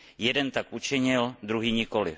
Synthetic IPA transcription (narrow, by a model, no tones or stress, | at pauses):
jɛdɛnt̪akʔut͡ʃɪɲɪld̪ɾuɦiːɲɪkolɪ̰